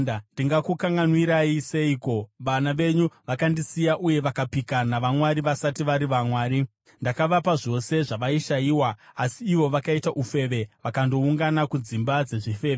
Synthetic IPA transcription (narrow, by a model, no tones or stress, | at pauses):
ndiŋɡakukaŋɡanwiɾaise̞iːko̞ʋanaʋe̞ɲuʋakandisijaʔuje̞ʋakapikanaʋamwaɾiʋasatiʋaɾiʋamwaːɾi | ndakaʋapaʐo̞se̞ʐaʋaiʃajiːwaːsiːʋo̞ʋakaitaʔufe̞ʋe̞ʋakando̞uŋɡanakud͡zimbad͡ze̞ʐife̞ːʋe